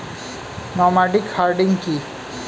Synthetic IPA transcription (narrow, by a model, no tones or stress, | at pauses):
nɔmaɖikhaɾɖiŋki